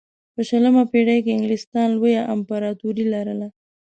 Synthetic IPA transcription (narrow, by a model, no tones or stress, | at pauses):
pəʃələmapeɽajkeɪŋɡlɪst̪ɑnlwəjaʔampaɾɑt̪uɾilaɾəla